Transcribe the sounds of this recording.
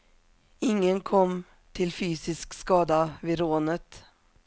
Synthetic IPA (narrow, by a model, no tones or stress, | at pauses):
ɪŋːənkʰɔmː | t̪ʰɪlfyːsɪskskɑːd̪avɪɾoːnət̪